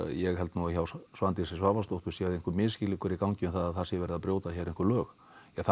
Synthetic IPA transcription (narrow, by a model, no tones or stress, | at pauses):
jɛɣɦɛlt̪nuaçawsvant̪ɪsɪsvaːvast̪owht̪ʏ̥ɾsjɛðejŋkʏɾmɪːðscɪlɪkʰɛɾikawɲcɪʏnθaðaðθḁsjɛvɛɾɪðapɾjoːwt̪açɛɾejŋkʏɾlœːx | aθ